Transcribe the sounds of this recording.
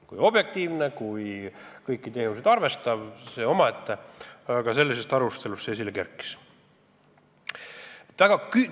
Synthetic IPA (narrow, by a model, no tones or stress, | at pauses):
kujo̞b̥je̞k̚t̪iːvnekujkɤjkːit̪e̞ːnused̪ɑrve̞st̪ɑbseo̞mɑet̪ːekɑse̞lːise̞st̪ɑɾust̪e̞lust̪sesilekerkːˑi̥s | et̪ːvæɡ̥ɑky